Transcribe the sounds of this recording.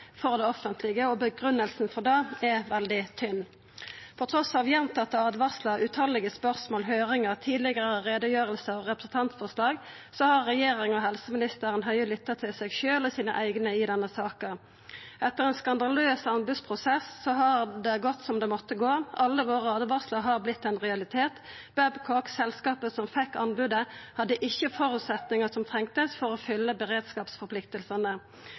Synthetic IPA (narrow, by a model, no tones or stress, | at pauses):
fɔʁd̪ɛɔfənt̪ʰlɪɡəɔbəɡʁʉnːəlsnfɔʁd̪ɑːɛʋɛld̪ɪt̪ʰʏnː | pʰɔt̪ʰʁɔsɑːʋjɛnt̪ʰɑt̪ːəɑd̪ʋɑslɑʔʉt̪ʰɑlɪɡəspœʁsmoːlɦøːɾɪŋəʁt̪ʰiːd̪lɪɡəʁəʁeːd̪əjøːʁəlsəɔʁɛpɾəsn̩t̪ʰɑnt̪sfɔʁʂlɑːɡ | sɔhɑʁːɛjeːɾɪŋɔɦɛlsəmɪnɪst̪əɾənɦœʏəlʏt̪ːət̪ʰɪlsɛɡʃøːlɔsiːnə̰ʔæɪɡnəɪd̪ɛnːəsɑːkə | ʔɛt̪ːəʁɛnskɑnd̪ɑløːsɑnbʉd̪spʰʁʊsɛsːɔɦɑʁd̪ɛɡɔt̪ːsɔmd̪ɛmɔt̪ːəɡoːɑlːəʋoːʁɑːd̪əʋɑʁsləɦɑʁblɪt̪ːɛnʁɛɑlɪt̪ʰeːt̪ | b̥æbkʰɔksɛlskɑːpəsɔmfɛkːɑnbʉd̪əhɑd̪ːəʔɪçːəfɔɾʉːt̪sɛt̪nɪŋəsɔmt̪ʰɛŋt̪əsfɔɾɔfʏlːəbəʁeːd̪skɑːpsfɔɾpʰlɪkt̪əlsənə